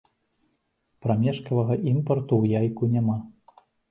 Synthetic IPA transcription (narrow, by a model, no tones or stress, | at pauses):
pɾamʲɛʂkɐvɐɣɐʔimpɐrt̪uwjajkunʲama